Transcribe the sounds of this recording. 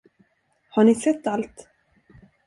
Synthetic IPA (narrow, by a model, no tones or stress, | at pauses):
haɳɪsɛt̪ːalt̪